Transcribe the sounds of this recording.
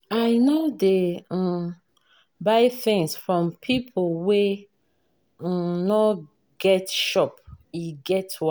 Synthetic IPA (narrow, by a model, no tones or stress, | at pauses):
aɪnodẽ | baɪθĩŋsfɹɔ̃mpʰipʰolwe | nɔ | ɡ̥ɛtʃɔp̚iɡɛtwa